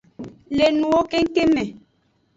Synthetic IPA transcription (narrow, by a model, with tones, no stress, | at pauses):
le˨nu˨o˦ke˦ŋ̩˦ke˦mɛ˨